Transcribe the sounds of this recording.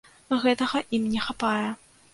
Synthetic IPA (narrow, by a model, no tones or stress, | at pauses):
ɣɛt̪ɐɣɐʔimnʲɛxapajɛ